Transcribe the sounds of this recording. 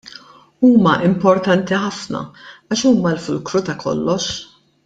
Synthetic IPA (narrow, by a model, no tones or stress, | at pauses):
uːmɐʔɪmpɔɾt̪ɐnt̪iħɐfnɐ̰ɐʃuːmɐlfʊlkɾut̪ɐkʰɔ̰lːɔʃ